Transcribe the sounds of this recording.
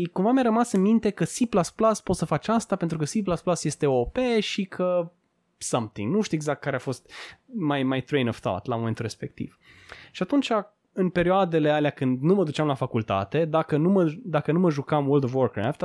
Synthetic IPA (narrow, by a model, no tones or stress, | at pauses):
kumvamjaɾəmasɨnmint̪e̞kəsiplasplaspot̪səfat͡ʃast̪ape̞nt̪ɾukəsiplasplasje̞st̪e̞opeʃikʰə | sɐmt̪ḭŋɡnuʃt̪iueɡzak̚t̪kaɾeafo̞st̪majmajt̪ɾejnov̥θɔ̰t̪lamo̞ment̪ulɾe̞spe̞k̚t̪ḭv | ʃiat̪unt͡ʃa | ɨnpe̞ɾioad̪e̞le̞aleakɨnd̪numəd̪ut͡ʃamlafakult̪a̰t̪e̞d̪akənuməd̪akənuməʒukamwold̪ovworkɾa̰ft̪